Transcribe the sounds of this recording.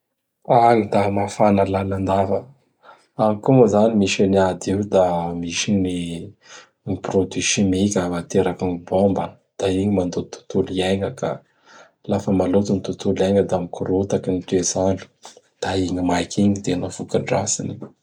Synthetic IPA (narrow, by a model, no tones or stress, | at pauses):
aŋid̪amafanəlanand̪avə | aŋikuməzanimiʃeniad̪iwd̪amiʃiɲi | niprod̪iʃimikʲəmat̪eɾakanibombə | d̪̥aiɲimand̪ot̪u̥t̪ulieŋəka̰ | lafəmalot̪unit̪ut̪uleŋəd̪amikuɾut̪akinit̪ezanu̥ | d̪̥aiŋimajkʰiŋit̪enafukaɳɖ͡ʐa̰sini